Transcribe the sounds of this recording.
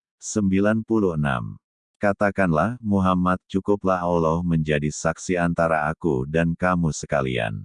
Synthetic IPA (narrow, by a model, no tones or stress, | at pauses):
səmbilanpuluhəna̰m | kat̪akanlahmuɦamat̪̚t͡ʃukʊplaɦalɔhməɲd͡ʒadisaksiant̪aɾaakudankamusəkalḭa̰n